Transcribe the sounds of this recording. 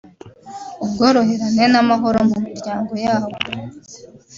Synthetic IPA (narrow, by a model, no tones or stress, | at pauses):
ubɡo̞ːɾo̞ɦe̞ɾanenamaɦo̞ɾomumiɾɟaːŋɡo̞jaːβo